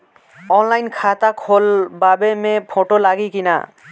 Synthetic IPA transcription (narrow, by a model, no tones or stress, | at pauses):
ɔnlajnkʰat̪akʰolbabemepʰoʈolaɡikina̰